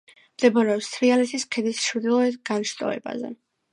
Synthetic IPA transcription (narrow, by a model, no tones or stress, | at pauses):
md̪̥ɛbɔɾɛɔpst̪ʰɾialɛt̪ʰiskʰɛd̪isʃɾd̪ilˠɔɛt̪ɡanʃt̪ʼɔ̰ɛ̰ba̰zɛ̰